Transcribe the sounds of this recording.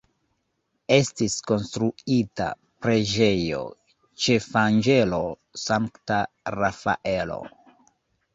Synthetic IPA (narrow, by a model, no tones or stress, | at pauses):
e̞stisko̞nstɾuita̰ | pɾe̞d͡ʒe̞jo̰ | t͡ʃe̞fand͡ʒe̞lo̞ | saŋkta | ɾafa̰ʔe̞lo̞̰